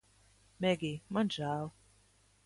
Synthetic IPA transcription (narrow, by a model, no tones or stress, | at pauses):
mɛɡimãd͡ʒaːw